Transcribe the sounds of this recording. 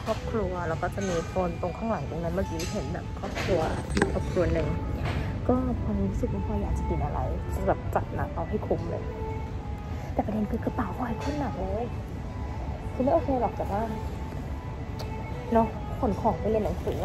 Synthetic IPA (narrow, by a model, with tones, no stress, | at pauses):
kʰɾɔː˥˩p̚kʰɾu˧ɐlɛː˧˦˥wkɔː˥˩t͡ɕa˨˩miː˧t̪ʰoː˧nt̪o˧ŋkʰaː˥˩ŋla˨˩˦ŋti˧ŋna˧˦˥nmaː˧˩kiː˧˦˥i˥˩ɦe˩˦nbɛ̰ː˨˩p̚kʰɔː˥˩p̚kʰɾu˧ɐi˥˩ʔɔː˨˩p̚kʰɾu˧ɐnɯ˨˩ŋ | kɔː˥˩pʰɔ˧niː˦˥ɾu˧˥sɯ˨˩ma˧˩pʰɔː˧˩jaː˨˩k̚t͡ɕa˨˩ti˨˧nʔa˧ɾa̰˧ja˨˦baː˨˩p̚t͡ɕa˨˩t̪̚naː˨˦mʔa˧wɦa˥˩jkʰu˧˥mlɤ̰ː˧j | t̪ɛː˨˩pa˧e˧nkɯː˧˩kʰa˧˩paː˨˩wkʰa˧a˧kʰo˥˩nːa˨˩˦ŋlɤː˧˥˩j | kʰɯː˧ma˥˨ʔoː˧kʰeː˧baː˨˩k̚t͡ɕɛ˨˩waː˥˩ | nɔ˦˥ | kʰo˩˦nkʰɔː˨˩˦ŋbʰa˥˩˨le˧na˨˩˦ŋsɯː˨˩˦